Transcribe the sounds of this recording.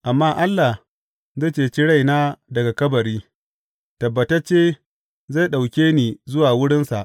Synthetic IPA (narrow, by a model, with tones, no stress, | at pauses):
ʔa˨mːaː˦ʔa˦lːa˨h | zaː˦˨t͡ʃeː˨t͡ʃi˦ɽa˦˨jnaː˦dɐ˨ɡa˨kɐ˦bɐ˨ɽiː˦ | tɐ˨bːɐ˨tɐ˦t͡ʃːeː˦ | za˦˨jɗa˨wkʲeː˦niː˨zʊ˦waː˨wʊ˦ɽɪ˦nsa˨ʔ